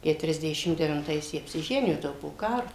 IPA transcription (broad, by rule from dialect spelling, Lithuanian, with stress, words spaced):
kʲɛtʊrʲɛzʲˈdʲæːʃʲɪm dʲɛʋʲɪnˈtɐɪs ˈjiɛ ɐpʲsʲɪˈʒʲæːnʲɪjoː ˈtɐɪ jɛʊ poː ˈkɑːroː